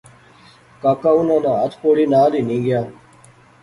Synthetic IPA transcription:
kaːkaunãnãɐt̪ʰpoɽiːnaːliːnĩːɡjãː

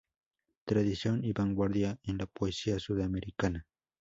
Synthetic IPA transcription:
t̪ɾad̪isjoŋibaŋɡwaɾd̪jaenlapwesiasuðameɾikana

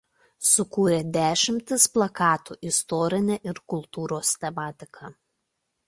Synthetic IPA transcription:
sʊkuːɾʲeːd̪ʲæːʃʲɪmʲt̪ʲɪsplˠɐkɑːt̪ṵːʔɪst̪ɔːɾʲɪnʲeʔɪɾkʊlˠt̪uːɾoːst̪ʲɛmɑːt̪ʲɪkʰɑ

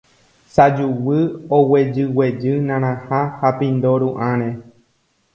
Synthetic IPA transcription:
sad͡ʒuwɨowed͡ʒɨwed͡ʒɨnãɾ̃ãhahapĩnd̪oɾuʔãɾ̃ẽ

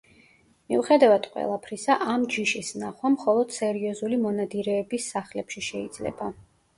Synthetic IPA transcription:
mḭuχɛd̪avad̪̥qʼwɛ̰lˠapʰɾisaʔamd͡ʒiʃisnaχwamχɔlˠɔd̪̥sɛɾiɔzulimɔnad̪iɾɛːbisːaχlɛpʃiʃɛid̪zlɛ̰ba

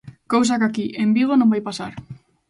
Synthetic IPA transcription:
kows̬akakiʔembiɣ̞onõmbajpasaɾ

